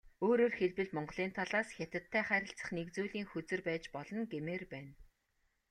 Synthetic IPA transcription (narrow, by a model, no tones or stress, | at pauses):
oːɾoːrxeɮpɘ̆ɮmɔɴɢ̆ɮiːnt̪ʰaɮaːsxʲat̪ʲɪ̆t̪ʰːæːχæːɾʲɪ̆ɬt͡sə̆χnekt͡suːɮiːŋxɵt͡sɘ̆rpæːt͡ɕpɔɮɞ̆nɡemeːrpæːn